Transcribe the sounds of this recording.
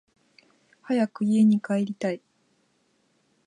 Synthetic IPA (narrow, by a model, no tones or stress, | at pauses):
hajakɯ̟ie̞ɲ̟ikaeɾʲit̪ai